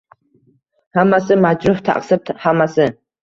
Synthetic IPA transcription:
hamːasɨmad͡ʒɾʊħt̪ʰa̰qsɨb̚t̪hamːasɪ

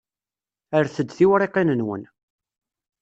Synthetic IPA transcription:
əɾθəd̪ːθiwɾeqenənwə̰n

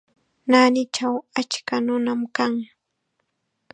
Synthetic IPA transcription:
naːnɪt͡ʃawat͡ʃkanʊnamkaŋ

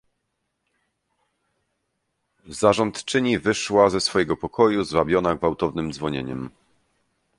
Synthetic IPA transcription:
zaʐɔnt̪t͡ʂɘɲivɘʂwazɛsfɔjɛɡɔpɔkʰɔjuzvabʲjɔnaɡvawt̪ɔvnɘmd̪zvɔɲeɲɛ̰m

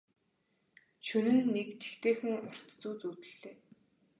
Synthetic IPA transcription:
ʃɵnɘ̆nːekt͡ɕe̥xt̪eːxɘ̆ŋʊr̥t̪t͡suːt͡suːt̪ɘ̆ɮːeː

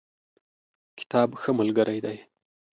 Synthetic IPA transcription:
kɪ̥t̪ʰɑbxəmalɡəɾʔajd̪aj

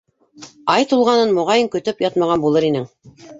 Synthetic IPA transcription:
ɑjt̪ulˠʁɑnɤnmŏʁɑjɤŋkɵ̆t̪ɵpjɑt̪mɑʁɑnbulˠɤɾinɘŋ

